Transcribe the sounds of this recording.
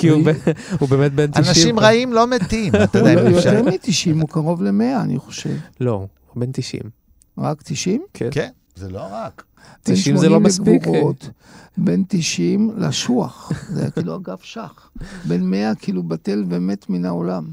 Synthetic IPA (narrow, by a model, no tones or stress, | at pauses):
kiubeubemet̪̚bentaiʃnaʃimʁaimlomet̪imjot̪eʁmit̪iʃimukaʁo̞vlemeaːnḭχo̞̥ʃe̞̰vlo | bent̪iʃḭm | ʁakt̪iʃimkk | zeloʁak | benʃmozelomesɡvuʁo̞t̪be̞nt̪iʃimla̰ʃuaχzḛjaiːluaɡafʃaχ | be̞nmeakiːlubat̪elveme̞t̪minaolam